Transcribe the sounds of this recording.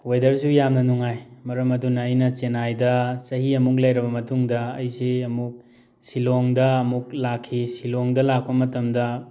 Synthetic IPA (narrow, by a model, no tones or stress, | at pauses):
wojdɐɾsujamnɐnuŋajmɐɾɐmɐdunɐːjnɐt͡ʃenajdɐt͡ʃɐɦiɐmuk̬̚lɐjɾɐbɐmɐtuŋdɐɐjsiɐmuk̚ | siloŋdɐɐmuk̚lakʰːisiloŋdɐlak̚pɐmɐtɐmdɐ